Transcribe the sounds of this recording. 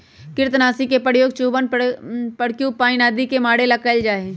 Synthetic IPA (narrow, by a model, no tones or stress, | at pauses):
kɪɾt̪naːsikepəɽjoːɡt͡ʃuːbənpəɽkjũpaːɪnaːd̪ikemaːɽelɐkəld͡ʒaːẽː